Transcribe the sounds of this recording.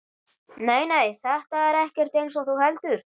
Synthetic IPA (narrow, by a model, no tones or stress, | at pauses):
neːjneːjθɛht̪aɛɾɛhcɛr̥t̪ejns̬ɔɣθuhɛlt̪ʏɾ̥